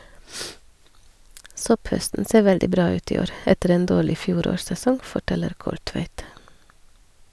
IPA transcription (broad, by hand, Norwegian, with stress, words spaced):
ˈsɔpˌhœstn̩ ˈseː ˈʋɛldɪ ˈbɾɑː ˈʉːt ˈiː ˈoːɾ ˈɛtəɾ ˈeːn ˈdoːɭɪ ˈfjuːˌɾoːɾsɛˌsɔŋ fɔˈʈɛləɾ ˈkɔlˌtʋæɪt